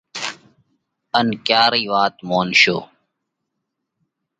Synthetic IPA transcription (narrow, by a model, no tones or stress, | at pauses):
ənkjaːɾiːʋaːt̪moːnʃo̰ː